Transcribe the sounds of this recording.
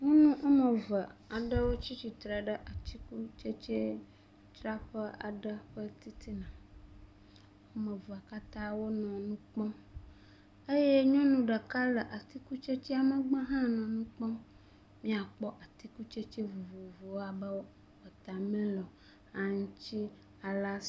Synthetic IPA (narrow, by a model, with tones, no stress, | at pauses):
ŋũ˦nũ˦ʔo˦mə̃˨və˨a˨ɖə˦wo˦t͡ɕi˦t͡ɕi˨t̪ɾa˨ɖə˦ʔa˨t̪i˦ku˦t͡ʃe˦t͡ʃe˦ | t̪ɾa˦ɸə˦a˨ɖə˦ɸə˦t̪i˦t̪i˦nã˨ | wo˦mə̃˨və˨a˨ka˦t̪ã˦wo˦nɔ̃˨nũ˦k͡pɔ̃˦ | ə˦je˦ɲɔ̃˦nũ˨ɖə˨ka˦lə˨ʔa˨t̪i˦ku˦t͡ʃe˦t͡ɕi˦a˨mə˨ɡ͡bə̃˦ɦã˦nɔ̃˨nũ˦k͡pɔ̃˦ | mĩ˦a˨k͡pɔ˦ʔa˨t̪i˦ku˦t͡ʃe˦t͡ʃe˦vu˨vu˨vu˨wo˦a˨bə˦wo˦˨ɸə˨t̪a˨mɛ̃˦lɔ˨ | a˨ŋ˦t͡ɕi˦ | a˨la˦